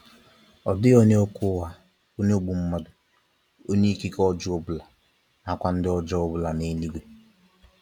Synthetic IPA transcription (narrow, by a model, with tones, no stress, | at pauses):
ɔ˨dɪ˦o˦ɲe˦o˦kʊ˦ɦa˦ | o˦ɲe˦o˦ɡ͡bu˨m̩˦ma˨dʊ˨ | o˦ɲe˦i˦ki˦kɔ˦d͡ʒɔ˦o˦bʊ˨la˨ | na˨kʷa˦n̩˦dɪ˦ɔ˦d͡ʒɔ˦o˦bʊ˨la˨ne˨˦li˦ɡʷe˦